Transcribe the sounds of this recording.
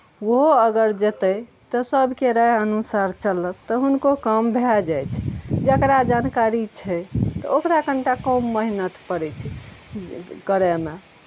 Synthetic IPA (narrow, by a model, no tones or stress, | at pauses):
woɦoəɡəɾd͡ʒet̪ə | t̪ɔsəbʱkeɾəjənusaɾt͡ʃələt̪ːɔɦunkokəmbʱead͡ʒajt͡ʃʰɛd͡ʒəkɾad͡ʒankaɾit͡ʃʰɛt̪ɔ̰okɾakəɳʈakəmːəɦinət̪pəɾɛt͡ʃʰɛ | kəɾeme